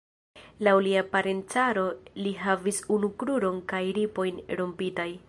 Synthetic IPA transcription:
lawliapaɾentaɾo̞liɦavisunukɾuɾonkajɾipo̞jnɾompitaj

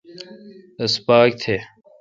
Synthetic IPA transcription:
əspaːk̚t̪ʰeː

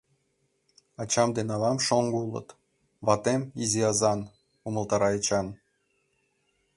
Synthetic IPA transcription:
ɑt͡ɕɑmd̪enɑlɑmʃoŋɡulˠɤ̰t̪ | βɑt̪emiziɑzɑn | umɤ̆lˠt̪ɑɾɑet͡ɕɑn

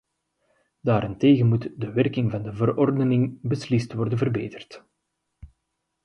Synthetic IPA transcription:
d̥aːɾɪnteːɣənmutdəʋɛrkɪŋvɑndəvərɔrdənɪŋbəslɪstʋɔrdənvərbeːtərt

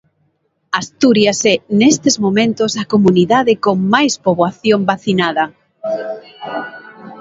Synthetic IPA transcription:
ast̪uɾjasɛnest̪ezmomẽnt̪osakomuniðaðɪkoŋmajspoβwaθjombaθinaðɐ

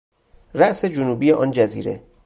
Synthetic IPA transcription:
ræʔse̞d͡ʒonuːbijeʔɒːnd͡ʒæzḭːɾe̞̰

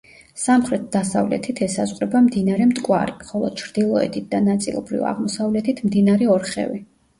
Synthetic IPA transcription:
samχɾɛt̪̚d̪asavlɛ̰t̪ʰit̪ʰɛsazʁʼɾɛbamd̪inaɾɛmt̪ʼkʼwa̰ɾiχɔlˠɔ̰d̪̥̚t͡ʃʰɾd̪̥ilˠɔɛ̰t̪ʰit̪̚ʰd̪anat̪sʼḭlˠɔ̰bɾḭva̰ʁmɔsavlɛt̪ʰit̪ʰmd̪inaɾɛɔɾχɛ̰vi

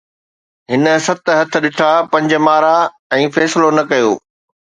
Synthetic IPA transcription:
ɦɪnə̆sɐt̪ɦɐt̪ʰə̆ɗɪʈʰapɐ̃ɲd͡ʑmaːɾa | ɛ̃ːfɛːsɪlonɐkɐjoː

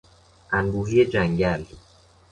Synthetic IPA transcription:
ʔænbuːɦijed͡ʒæŋɟæl

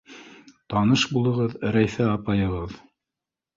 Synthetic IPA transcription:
t̪ɑnɤʃbulˠɤ̆ʁɤðɾæjθæɑpɑjɤ̆ʁɤð

